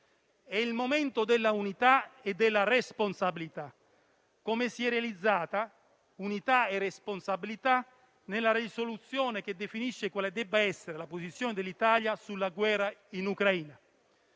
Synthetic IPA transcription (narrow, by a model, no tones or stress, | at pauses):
ɛilmomɛnt̪od̪elːaunit̪aed̪ːelːaresponsabilit̪a | komesiɛrːealid̪zːaːt̪a | unit̪aeresponsabilit̪a | nelːarisolut̪sjɔːneked̪ːefiniʃːekwaled̪ɛbːaɛsːeɾelaposit̪sːjɔːned̪elit̪aljasulːaɡwɛːrainukɾaiːna